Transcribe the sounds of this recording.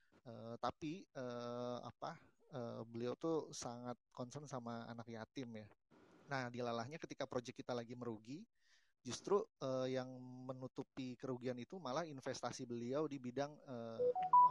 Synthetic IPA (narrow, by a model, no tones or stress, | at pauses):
əːt̪apiəːa̰pahəbəliawt̪usaŋat̪̚kɔnsənsamaa̰nakjat̪ɪmjanahdilalahɲakət̪ikapɾod͡ʒɛkːit̪alaɡiməɾuɡi | d͡ʒust̪ɾuəːjaŋmənut̪upikəɾuɡianit̪umalahinfɛst̪asibəliawdibidaŋəː